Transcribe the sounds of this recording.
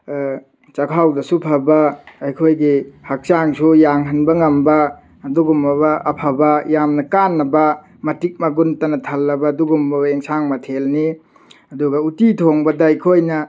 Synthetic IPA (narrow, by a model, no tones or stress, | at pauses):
t͡ʃɐkʰawdɐsupʰɐbɐɐjkʰojɡihɐk̚t͡ʃaŋsujaŋɦɐnbɐŋɐmbɐ | ɐduɡumɐβɐʔɐpʰɐbɐjamnɐkanːɐbɐ | mɐtik̚mɐɡuntɐnɐtʰɐlːɐbɐːduɡumbɐbɐeŋsaŋmɐtʰelni | ɐduɡɐutitʰoŋbɐdɐɐjkʰojnɐ